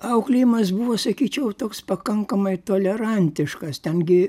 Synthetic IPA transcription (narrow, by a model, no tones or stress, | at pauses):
ɐʊklʲɪjɪmɐsbuʋoːsɐkʲiːt͡ʃʲɛʊt̪oːkspɐkɐŋkɐmɐɪt̪oːlʲɛɾɐnʲt̪ʲɪʃkɐst̪ʲɛnɡʲɪ